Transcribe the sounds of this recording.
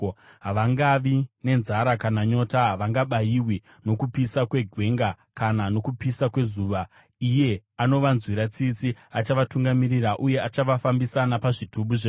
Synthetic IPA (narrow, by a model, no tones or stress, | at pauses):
ɦaʋaŋɡaʋine̞nzaɾakanaɲo̞taɦaʋaŋɡaɓajiwi | no̞kupisakwe̞ɡʱwe̞ŋɡa | kanano̞kupisakwe̞zuːʋa | ije̞ano̞ʋanzwiɾat͡sit͡siat͡ʃaʋatuŋɡamiɾiraʔuje̞at͡ʃaʋafambisanapaʐitʰuɓuʐe